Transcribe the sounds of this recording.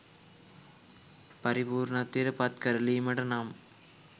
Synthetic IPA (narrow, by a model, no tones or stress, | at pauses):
pɐɾɪpuːɾnɐt̪ːiɾɐpaːt̪̚kɐɾɐlimɐɽɐnaːm